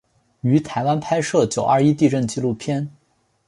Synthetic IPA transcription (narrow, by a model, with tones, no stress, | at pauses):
y˧˥t̪ʰa˧˥ɪwa˥npʰa˥ɪʂɤ˥˩t͡ɕjo˨˩ʊʔa˞˥˧i˥t̪i˥˧ʈ͡ʂə˥˧nt͡ɕi˥˧lu˥˩pʰjɛ˥n